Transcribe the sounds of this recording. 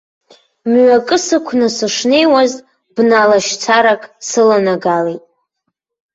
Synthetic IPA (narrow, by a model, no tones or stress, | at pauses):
mɥʷakʼɨsɨkʷʰnɨsɨʂne̞jwazʼ | b̥nalaʃt͡sʰaɾakʼsɨlanaɡalejtʼ